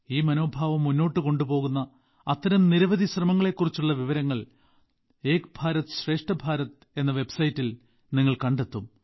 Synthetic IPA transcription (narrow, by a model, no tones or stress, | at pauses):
iːmɐno̞ːbʱaːʋɐmːunːo̞ːʈːɨko̞ɳɖupo̞ːɣunːɐ | ɐt̪ːɐɾɐmniɾɐʋɐðʱiɕrɐmɐŋːɐɭe̞kːurit͡ɕːuɭːɐʋiʋɐɾɐŋːɐɭ | e̞ːkbʱaːɾɐt̪ɨ̥ɕre̞ːʂʈɐbʱaːɾɐt̪ | e̞nːɐʋe̞bsɐjitːil | niŋːɐɭkɐɳɖe̞t̪ːum